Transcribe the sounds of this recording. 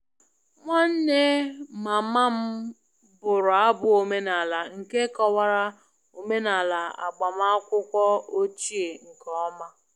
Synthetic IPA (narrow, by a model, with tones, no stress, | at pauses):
ŋʷa˦n̩˦ne˦ma˨ma˦m̩˦ | bʊ˨ɾʊ˨a˦bʊ˨o˨me˦na˨la˨ŋ̩˨ke˦kɔ˦wa˦ɾa˦ | o˨me˦na˨la˨a̰˨ɡ͡ba˨m˦a˦kʷʊ˦kʷɔ˦o˦t͡ʃi˦e˨ŋ̩˨kɔ˦ma˦